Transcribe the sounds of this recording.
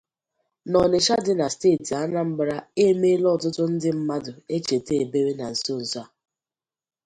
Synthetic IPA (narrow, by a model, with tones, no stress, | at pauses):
nɔ˨ne˨ʃa˦dɪ˦na˨steː˦˨ti˨a˦na˦m̩˦bɾa˦e˦me˦lɔ˦˨tʊ˦tʊ˦n̩˦dɪ˦m̩˦ma˦dʊ˨e˦t͡ʃe˨te˦e˨be˦ɾe˦na˨n̩˨so˦n̩˨zɔ˦a˨